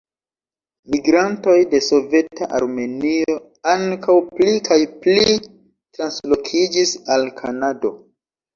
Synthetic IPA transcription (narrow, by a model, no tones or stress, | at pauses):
miɡɾanto̞jde̞so̞ve̞taʔaɾme̞nio̞ | aŋkawplikʰajpli | tɾanslo̞kʰid͡ʒisalkʰanado̞